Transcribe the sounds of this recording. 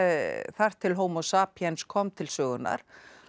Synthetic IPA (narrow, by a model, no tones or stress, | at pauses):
θar̥t̪ʰːɪlɦoːwmɔsaːpʰjɛnskʰɔmt̪ʰɪlsœːɣʏnːa̰ɾ̥